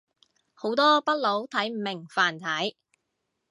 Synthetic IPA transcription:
ho˨˥wt̪ɔː˥pɐ˥t̚lo˨˥wt̪ʰɐ˨˥jmɪ˨˩ŋfaː˨˩nt̪ʰɐ˨˥j

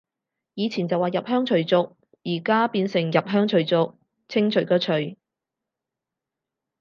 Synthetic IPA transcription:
jiː˨˧t͡sʰiː˨˩nt͡sɐ˨waː˨jɐ˨p̚ɦœː˥ŋt͡ʃʰɵ˨˩ɥt͡sʊ˨k̚ | jiː˨˩kaː˥piː˧nsɪ˨˩ŋjɐ˨p̚ɦœː˥ŋt͡ʃʰɵ˨˩ɥt͡sʊ˨k̚ | t͡sʰɪ˥ŋt͡ʃʰɵ˨˩ɥkɔː˧t͡ʃʰɵ˨˩ɥ

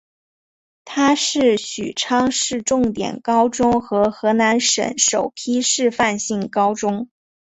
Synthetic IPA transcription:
t̪ʰa˥ʂɻ̩˥˩ɕy̰˨˩ʈ͡ʂʰɑ˥ŋʂɻ̩˥˧ʈ͡ʂʊ˥˩ŋt̪jɛ̰˨˩nkɑ˥ʊʈ͡ʂʊ˥ŋxɤ˧˥xɤ˧˥na˧˥nʂə̰˧˥nʂo˨˩ʊpʰi˥ʂɻ̩˥˧fa˥˧nɕi˥˩ŋkɑ˥ʊʈ͡ʂʊ˥ŋ

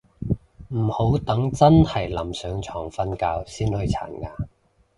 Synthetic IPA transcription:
m̩˨˩ho˨˥wt̪ɐ˨˥ŋt͡sɐ˥nhɐ˨˩jlɐ˨˩msœː˨˥ŋt͡sʰɔː˨˩ŋfɐ˥nkaː˧wsiː˥nhɵ˧ɥt͡sʰa̰ː˨˩nkaː˧

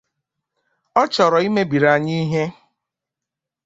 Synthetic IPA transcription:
ɔ˦t͡ʃɔ˨ɾɔ˨i˦me˦bi˨ɾa˨ɲi˦ɦe˦

